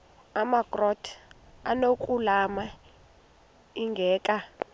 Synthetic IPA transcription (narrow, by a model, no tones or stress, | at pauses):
amaɡrɔtʰa̰nokʼulama | iŋɡʱɛːkʼa